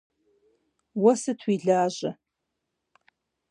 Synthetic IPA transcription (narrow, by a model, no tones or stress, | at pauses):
wɔsɨtʰwiːɮaːʑɐ